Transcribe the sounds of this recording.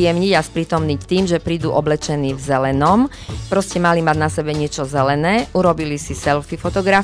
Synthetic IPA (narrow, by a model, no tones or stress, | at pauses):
ɛmɲiɟaspɾiːt̪ɔmnict̪iːmʒɛpɾiːd̪uːʔɔblɛt͡ʃɛniːvzɛlɛnɔm | pɾɔscɛmalimaɟnasɛbɛɲɪɛt͡ʃɔzɛlɛnɛːʔuɾɔbilisisɛlfifɔt̪ɔɡɾa